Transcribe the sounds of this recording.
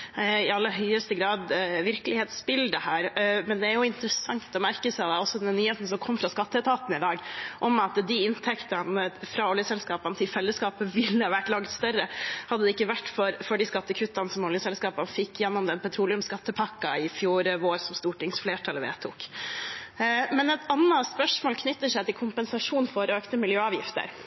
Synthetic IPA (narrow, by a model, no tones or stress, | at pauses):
ɪɑlːəɾɦœʏəst̪əɡɾɑːd̪ʋɪɾklɪheːt̪sbɪld̪əhæːɾmɛnd̪ɛæɾjʊɪnt̪əɾəsɑŋt̪ɔmæɾkəsæɪd̪ɛɔsːɔd̪ɛnnːyːheːt̪n̩sɔmkʰɔmːfɾɑskɑt̪ːət̪ʰɑːt̪nɪd̪ɑːɡʔɔmɑt̪d̪ɪɪnt̪ʰɛkt̪ɑnəfɾɑɔljəsɛlskɑːpɑnt̪ʰɪlfɛlːəskɑːpəʋɪlːəɑʋæʈːlɑŋt̪st̪œɾəhɑd̪əd̪ɛɪkːəʋæʈːfɔɾfɔɖiskɑt̪ːəkʰʉt̪ːɑnəsɔmɔljəsɛlskɑːpɑnfɪkːjɛnːɔmd̪ɛnpʰɑt̪ʰɾuːlɪʉmskɑt̪ːəpʰɑkːɑɪfjuːɾəoːɾsɔmst̪uːʈɪŋsfleːʈʰɑləʋḛːt̪ʰṵːk | mɛnɛt̪ɑnːɑspœʂmoːlkʰnʏt̪ːəʂæɪt̪ʰɪlkʰʊmpənsɑʂuːnfɔɾɔøːkt̪əmɪljøːɑːʋjɪft̪ə̰ɾ